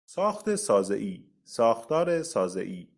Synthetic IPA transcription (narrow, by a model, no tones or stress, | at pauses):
sɒːxt̪esɒːzḛʔiː | sɒːxtt̪ɒːɾesɒːzḛʔiː